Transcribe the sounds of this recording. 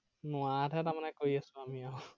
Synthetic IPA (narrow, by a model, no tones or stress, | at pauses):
nʊatʰɛtaɹmanɛkoɹiasʊ̃amiaʊ